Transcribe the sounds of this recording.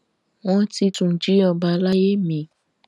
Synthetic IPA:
w̃ɔ̃˦ti˧tũ˨d͡ʒi˨˦ɔ˨˧ba˧˦la˦je˦mĩ˨

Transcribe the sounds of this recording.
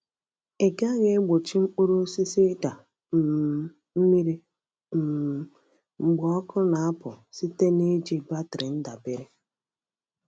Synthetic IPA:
e˨ɡa˦ɣe˦ɡ͡bo˨t͡ʃi˦ŋ͡m̩˦k͡pu˦ɾo˦si˦si˦da˨ | m̩˨ | m̩˦mi˦ɾi˦ | m̩˨ | ŋ͡m̩˨ɡ͡bɔ˨ɔ˦kʊ˦na˨a˦pʊ˨si˦te˦ne˦d͡ʒi˦ba˦tɾɪ˨n̩˦da˨be˨ɾe˦

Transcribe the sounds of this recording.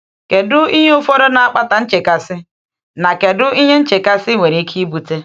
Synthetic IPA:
ke˨dʊ˦i˦ɲe˦o˦fɔ˦ɾɔ˦na˨a˨k͡pa˦ta˨n̩˦t͡ʃe˨ka˨sɪ˦ | na˨ke˨dʊ˦i˦ɦe˦n̩˦t͡ʃe˨ka˦sɪ˦ŋʷe˨ɾi˦kʰi˦i˦bu˨te˦

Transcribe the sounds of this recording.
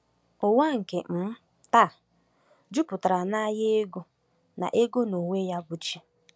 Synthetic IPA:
ʊ˨wa˦ŋ̩˨ke˨m̩˨˦ | ta˦˨ | d͡ʒu˦pʊ˨ta˨ɾa˨na˦jɪ˦e˦ɡo˦ | na̰˨ʔe˦ɡo˦no˨ŋʷe˦ja˦bʊ˦t͡ʃi˦

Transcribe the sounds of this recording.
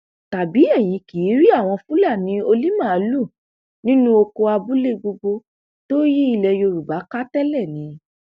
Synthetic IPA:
ta˨bi˨˦ɛ˦˨j̃ĩ˧ki˨˦ɾi˦a˦˨w̃ɔ̃˧fũ˦la˦˨nĩ˨˧˦o˧li˦mã˦˨˦lu˦˨ | nĩ˦nũ˦o˧ko˧a˧bu˦le˦˨ɡ͡bo˧ɡo˧ | to˦ji˦i˧lɛ˧jo˧ɾu˨ba˨˦ka˦tɛ˦lɛ˦˨nĩ˨˦

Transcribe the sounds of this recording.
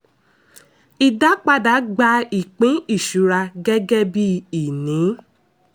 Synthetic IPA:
i˨da˨˦k͡pa˧da˨˦ɡ͡ba˧˦i˨k͡pĩ˨˦i˦˨ʃu˨˦ɾa˧ɡɛ˦ɡɛ˦bi˦i˨nĩ˨˦

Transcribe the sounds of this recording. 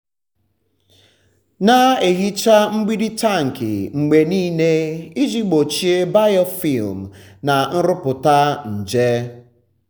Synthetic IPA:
na˦e˨ɦi˦t͡ʃa˦ŋ͡m̩˦ɡ͡bi˦di˦ta˦˨ŋ̩˨kɪ̰˨ŋ͡m̩˨ɡ͡be˨niː˦ne˦i˦d͡ʒi˦ɡ͡bo˨t͡ʃi˦e˦ba˦jɔ˦fi˦˨lm̩ | na˨n̩˦ɾʊ˦pʊ˨ta˦n̩˨d͡ʒe˦

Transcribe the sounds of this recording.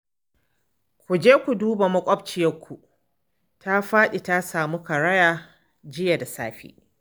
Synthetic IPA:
kʷu˨d͡ʒeː˦kʷu˨duː˦ba˨mɐ˦kʷʼɔ˦b̚t͡ʃɪ˨jɐ˦kʷu˨ʔ | ta˦ɸaː˦ɗi˨ta˦saː˨mu˦kɐ˨ɽɐ˦jaː˦ | d͡ʒɪ˦ja˨da˨saː˦ɸḭː˦

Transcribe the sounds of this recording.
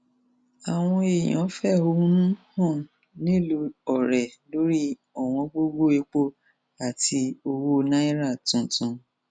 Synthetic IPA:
a˨w̃ɔ̃˧e˨j̃ɔ̰̃˨˦fɛ˦˨o˧ũ˦nũ˦hɔ̃˦˨ | nĩ˦˨lu˧ɔ˨ɾɛ˨lo˨˦ɾi˦ | ɔ˨w̃ɔ̃˧ɡ͡bo˦ɡo˦e˨˦k͡po˦˨ | a˨ti˧o˧wo˦˧nã˦i˦ɾa˦˨tũ˨tũ˧

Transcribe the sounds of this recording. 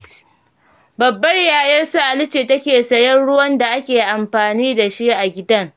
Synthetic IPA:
bɐ˨bːɐ˦rjaː˨jɐ˦rsu˦ʔa˨lɪ˦t͡ʃeː˨tɐ˦kʲeː˨sɐ˨jɐ˦nɽʊ˦wɐ˦nda˨ʔa˦kʲeː˨ʔa˨mɸaː˨niː˦da˨ʃi˦ʔa˨ɡʲɪ˦dɐ˦ŋ

